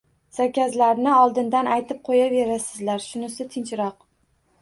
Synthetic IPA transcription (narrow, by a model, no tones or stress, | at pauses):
sakʲazlaɾnɪɒlˠd̪ɪnd̪anajt̪ʰɪp̚qʰojave̞ɾasɪzlaɾʃʊnɪsɪt̪ʰɪnt͡ʃɾɒq̚